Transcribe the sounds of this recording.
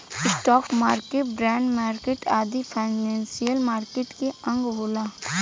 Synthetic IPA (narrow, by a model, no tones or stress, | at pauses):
ɪsʈɔːkmaːɾkeʈbɾɛ̃ːɳɖmaːɾkeːʈaːd̪ipʰaːɪnɛ̃ːnsijəlmaːɾkeːʈkeɐ̃ŋɡɦoːlaː